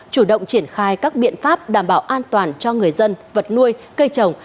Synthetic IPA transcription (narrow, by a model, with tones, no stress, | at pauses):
t͡ɕu˧˩ɗə̰˧˨wŋ͡mt͡ɕi˧˩ənxaː˧jkaː˦˥k̚ɓḭ˧˨ənfaː˦˥p̚ɗaː˧˩mɓaː˧˩wʔaː˧nt̪waː˨˩nt͡ɕɔ˧ŋɨ˨˩əjzə˧nvə˨˩t̚nu˧əj | kə˧jt͡ɕə˨˩wŋ͡m